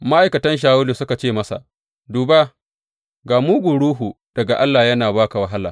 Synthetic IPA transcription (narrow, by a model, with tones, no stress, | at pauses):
ma˦ʔa˨jkɐ˨tɐ˦nʃ̬aː˦˨wʊ˦li˨sʊ˦ka˨t͡ʃeː˦˨mɐ˦sa̰˨ʔ | duː˨ba˦ | ɡaː˨mu˦ɡʷu˨ɽuː˦ɦu˨ | d̥ɐ˨ɡa˨ʔa˦lːaː˨jɐ˦naː˨baː˦ka˨wɐ˨ɦa˦laː˨